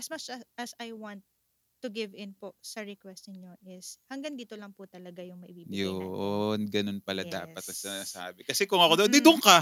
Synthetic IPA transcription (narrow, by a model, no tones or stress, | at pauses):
ʔɐsmɐt͡ʃɐʔɐsɐjwant̪ː | ʊɡɪvɪnposɐɹɛkwɛst̪nɪɲo̞ʔɪshɐŋɡɐŋd̪it̪olɐŋpʊt̪ɐlɐɡajʊŋmɐʔɪ̰biːbɪjonɡɐnonpɐlad̪a̰ːpɐt̪̚ɐsɪnasa̰ːbɛkɐsɛkʊŋɐkod̪ond̪ɪd̪ʊŋkɐ